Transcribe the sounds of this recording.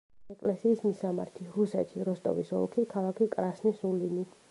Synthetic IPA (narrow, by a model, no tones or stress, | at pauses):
ɛkʼlɛsiːsmisama̰ɾt̪ʰiɾusɛt̪ʰiɾɔst̪ʼɔ̰vḭsɔ̰lˠkʰikʰalˠakʰikʼɾasnisulini